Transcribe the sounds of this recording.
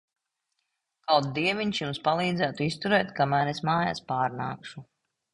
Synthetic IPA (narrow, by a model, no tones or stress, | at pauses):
kawt̪̚d̪iɛvʲiɲʲʃjumspalˠiːd̪zæːt̪uist̪uɾɛːt̪kamæːɾesmaːja̰ːspaːɾna̰ːkʃu